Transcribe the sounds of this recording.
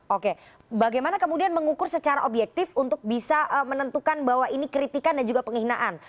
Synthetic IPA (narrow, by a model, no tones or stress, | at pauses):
oke | baɡajmanakəmudianməŋukʊrsət͡ʃaɾa̰ʔobjɛk̚t̪ɪfunt̪ʊk̚bisaʔəmənənt̪ukanbaɦwaʔinikɾit̪ikandand͡ʒuɡapəŋiɦinaʔan